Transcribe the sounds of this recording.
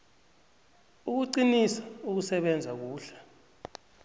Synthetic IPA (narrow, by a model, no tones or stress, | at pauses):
uk̬uǀinisḁuk̬usɛɓɛnd͡zʱak̬uːɬḁ